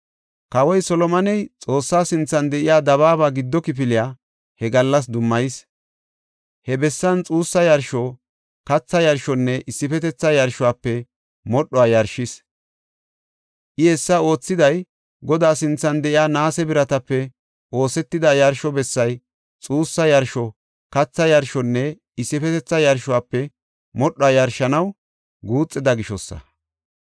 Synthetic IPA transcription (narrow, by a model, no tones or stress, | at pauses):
kɐwɔjsɔlɔmɐnɛjt͡sʼo̞ːsːaːsɪnt͡sːɐnd̪ɛʔɪjaːd̪ɐβaːbaːɡɪd̪ːɔkɪp̬ɪlɪjaː | hɛɡɐlːɐs̬d̪ʊmːɐjɪs | hɛbɛsːɐnt͡sʼuːsːɐjɐɾʃo | kɐt͡sːɐjɐɾʃɔnːɛʔɪsːɪfɛt̪ɛt͡sːɐjɐɾʃɔaːpːɛ | mɔɗːɔajɐɾʃɪs | ʔɪhɛsːɐo̞ːt͡sːɪd̪ɐj | ɡɔd̪aːsɪnt͡sːɐnd̪ɛʔɪaːnaːsɛbɪɾɐt̪ɐpːɛ | ʔo̞ːsɛt̪ːɪd̪ɐjɐɾʃɔbɛsːɐj | t͡sʼuːsːɐjɐɾʃɔ | kɐt͡sːɐjɐɾʃɔnːɛ | ɪsːɪfɛt̪ɛt͡sːɐjɐɾʃʊaːpːɛ | mɔɗːɔaːjɐɾʃɐnɐw | ɡuːt͡sʼːɪd̪ɐɡɪʃɔsːɐ̰